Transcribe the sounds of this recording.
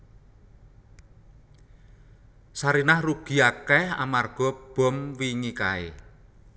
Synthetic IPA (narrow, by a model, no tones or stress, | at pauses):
saɾinahruɡ̥i̤akɛha̰marɡ̥ɔ̤b̥ɔ̤mwiŋika̰ḛ